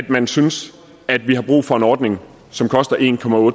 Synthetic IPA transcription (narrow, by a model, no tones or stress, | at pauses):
d̥mænsyns | æd̥ʋiɦɑ̈b̥ʁṵːfɒ̽e̝nɒːd̥ne̝ŋ | sɒ̽mkʰɒ̽sd̥ɐʔe̝̰ːnkʰɒ̽mæɔ̽ːd̥